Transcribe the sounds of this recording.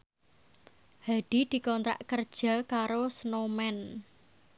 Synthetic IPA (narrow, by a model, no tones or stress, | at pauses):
haɖ̪̥i̤d̪̥i̤kɔnt̪ɾa̰ʔkərd̥ʒ̥a̤kaɾosənomɛn